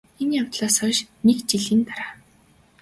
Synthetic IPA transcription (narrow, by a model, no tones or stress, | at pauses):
enjawt̪ɮaːsœʃnekt͡ɕiɮĭːnt̪aɾaː